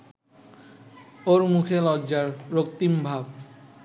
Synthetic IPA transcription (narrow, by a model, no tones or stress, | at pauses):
oɾmukʰelɔʑaɾɾokt̪imbʱab